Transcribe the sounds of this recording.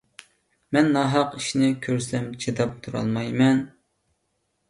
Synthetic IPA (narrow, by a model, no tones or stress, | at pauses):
mɛnːɑɦɑqiʃinɪkʲʰøɾslɛmt͡ʃʰed̪ɑp̚t̪ʰuɾɑ̰lˠmɑjmɛn